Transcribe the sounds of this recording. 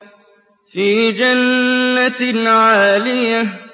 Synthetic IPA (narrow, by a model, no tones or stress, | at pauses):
fiːd͡ʒanːat̪ʕaːlɪja